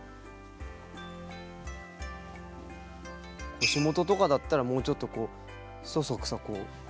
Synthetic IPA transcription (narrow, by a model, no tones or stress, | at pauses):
koːɕimo̞t̪o̞t̪o̞kad̪at̪ːaɾamo̞ːt͡ɕo̞t̪ːo̞ko̞ː | sosokɯ̟̥sako̞ː